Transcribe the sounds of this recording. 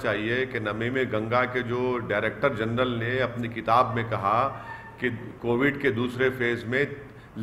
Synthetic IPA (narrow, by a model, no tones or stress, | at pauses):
t͡ʃaːɦiekenɐmemẽɡɐ̃ŋɡaked͡ʒoːɖaːɾeːk̚ʈəɾd͡ʒɐnɾəlneɐpnikɪt̪aːbmẽkɐɦa | kekoːʋɪɖked̪uːsɾefeːzmẽ | l